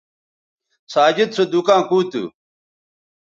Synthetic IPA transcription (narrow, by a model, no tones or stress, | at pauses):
saːd͡ʑid̪̚sed̪ukãːkuːt̪ṵ